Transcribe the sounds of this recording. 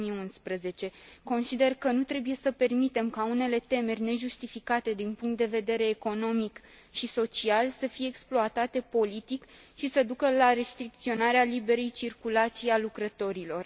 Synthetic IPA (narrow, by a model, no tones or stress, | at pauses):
mijunspɾəze̞t͡ʃe̞ko̞nsid̪e̞rkənut̪ɾe̞buje̞səpe̞rmit̪e̞mkaune̞le̞t̪e̞me̞rʲne̞ʒust̪ifikat̪e̞d̪inpuŋkt̪̚d̪e̞ve̞d̪e̞ɾe̞ːko̞no̞mik | ʃiso̞t͡ʃialsəfije̞ːksploat̪at̪e̞po̞lit̪ikʃisəd̪ukəlaɾe̞st̪ɾik̚t̪sio̞naɾealibe̞ɾejt͡ʃirkulat̪sijalukɾət̪o̞ɾilo̞r